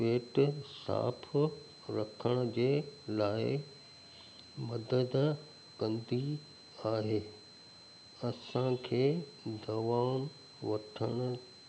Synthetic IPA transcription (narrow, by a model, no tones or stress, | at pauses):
peːʈsa̰ːpʰ | ɾɐkʰəɽ̃ə̆d͡ʑeːlaːɪ | mɐd̪əd̪ | kɐ̃nd̪i | aːɦeː | ɐsãkʰeːd̪ɐʋaːn | ʋɐʈʰəɽ̃ʊ̆